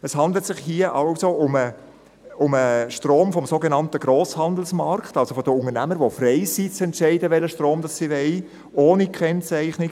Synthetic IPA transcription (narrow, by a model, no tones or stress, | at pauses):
əshɑnd̪lətsɪχhiəʔɑlsoʔʊmə | ʊməʃtroːmfɔmsoɡenɑntəɡɾoːshɑnd̪l̩smɑɾkχtɑlsofɔdəʊŋənæməɾʋofrɛɪsit͡sɛntʃɛɪdəʋɛləʃtroːmd̥ɑsːiʋɛɪ | oːnikχɛnt͡sæɪχnɪɡ